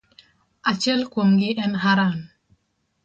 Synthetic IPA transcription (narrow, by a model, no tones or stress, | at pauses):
at͡ʃɛlkomɡɪʔɛnɦaɾan